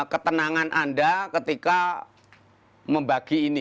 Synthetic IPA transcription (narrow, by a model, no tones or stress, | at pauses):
kət̪ənaŋanʔandakət̪ika | məmbaɡ̥iːni